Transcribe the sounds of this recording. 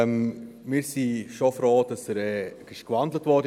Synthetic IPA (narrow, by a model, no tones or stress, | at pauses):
m | mɪːɾsiʃofɾoːd̥ɑsəɾɛɡɪʃkʋɑndlətʋɔɾdə